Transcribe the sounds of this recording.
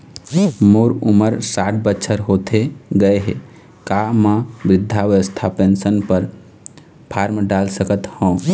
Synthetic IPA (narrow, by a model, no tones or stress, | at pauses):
moːɾʊməɾsaːʈ̚ʰbəːʃʰəɾɦoːt̪ʰeɡəeɦḛ | kamãbɾɪd̪ʱːaʋəʋəst̪ʰapensənpəɾ | pʰaːɾmɖaːlsəkət̪hõː